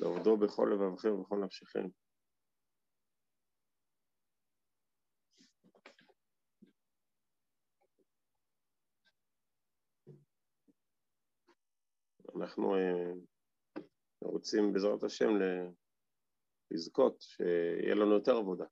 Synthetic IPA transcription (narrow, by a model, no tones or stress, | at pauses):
leavod̪o̞beχo̞̰lːevavχembeχo̞leamʃiχḭm | a̰naχnṵe | ʁot͡simbezʁat̪aʃe̞̰mle | lizko̞t̪ʃḛḭjḛlanujo̞t̪e̞ʁavo̞d̪a